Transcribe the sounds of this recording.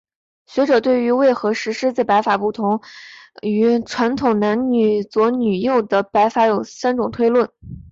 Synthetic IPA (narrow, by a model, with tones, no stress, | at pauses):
ɕɥɛ˧˥ʈ͡ʂɤ˨˩t̪we˥˩ɪy˧˥we˥˩ɪxɤ˧˥ʂɻ̩˧˥ʂɻ̩˥t͡sa˥˩ɪpa˧˥ɪfa˨˩pu˥˩t̪ʰʊ˧˥ŋ | y˧˥ʈ͡ʂʰwa˧˥nt̪ʰʊ˨˩ŋna˧˥nny˨˩t͡swɔ˧˥ny˨˩jo˥˩ʊd̪ə˩pa˧˥ɪfa˧˥jo˨˩ʊsa˥nʈ͡ʂʊ˨˩ŋt̪ʰwe˥ɪlwə˥˩n